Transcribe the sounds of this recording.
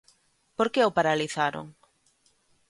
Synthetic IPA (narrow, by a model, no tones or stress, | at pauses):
poɾkeʊpaɾaliθaɾo̰ŋ